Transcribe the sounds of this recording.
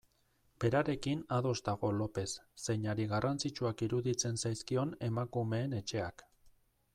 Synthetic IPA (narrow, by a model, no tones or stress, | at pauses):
b̥e̞ɾaɾe̞kinaðo̞zt̪aɣo̞lo̞pe̞sːe̞jɲaɾiɣarʔant͡sit͡ʃuakiɾuðit͡se̞nsajskio̞ne̞makume̞ːne̞t͡ʃe̞ak